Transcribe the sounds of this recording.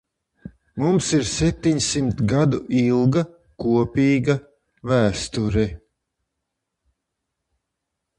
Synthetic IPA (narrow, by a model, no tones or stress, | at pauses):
mumsiɾsɛp̚t̪iɲsimt̪ɡad̪uilˠɡa | kuɔpʲiːɡa | væːst̪uɾɛ